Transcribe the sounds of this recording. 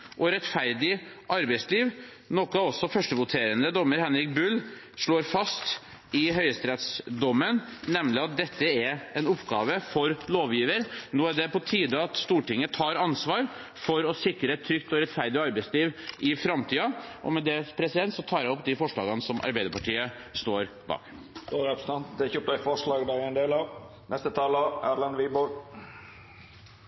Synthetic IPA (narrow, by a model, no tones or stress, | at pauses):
ʔɔɾɛt̪fæɾd̪ɪʔɑɾbɛɪsliːʋ | nɔkːəɑɔsɔfœʂʈəʋʊt̪ʰeːɾənd̪əd̪ɔmːəɾhɛnɾɪk̚bʉlː | ʂɭoːɾfɑst̪ | ɪɦœʏəst̪ɾɛːt̪sd̪ɔmːənnɛmlɪɑt̪̚d̪ɛt̪ːəæɾɛnʊpːɡɑːʋəfɔɾloːʋjiːʋəɾnoːæɖɛpɔt̪ʰiːd̪əɑt̪st̪uːʈɪŋːət̪ʰɑːɾɑnsʋɑːɾ | fɔɾɔsɪkɾəɛt̪ʰːɾʏkt̪ɔɾɛt̪fæɾd̪ɪɔɑɾbæɪsliːʋʔɪfɾɑmt̪ʰiːɑʔɔ̰mɛd̪ɛpʰɾɛsɪd̪ɛnt̪sɔt̪ʰɑːɾɛɔpːd̪ɪfɔʂɭɑːɡənəsɔmʔɑ̰ɾbæɪd̪əɾpɑʈʰiːə | st̪oːɾbɑ̰ːɡ̥ | ɡoɾɑpst̪ɑnt̪d̪ɛçøp̚t̪æɪfɔʂɭɑːɡd̪æɾæɪnd̪eːlɑ | nɛst̪ət̪ʰɑːləæ̰ːɾlɑnʋibɔɾ